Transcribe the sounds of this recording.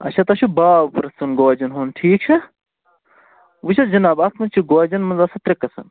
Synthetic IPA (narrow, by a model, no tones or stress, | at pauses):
ɐ̰t͡ʃʰɐt̪ɐʃʰubaːbpɾɐsɐnɡoːd͡ʒɐnɦoːnʈʰiːk̚t͡ʃʰɐ | ʋut͡ʃʰɐd͡ʒɐnaːbɐt̪ʰmɐt͡ʃʰiɡoɐd͡ʒɐnmɐnzɐsɐt̪ɾɐkːɐsɐ̰n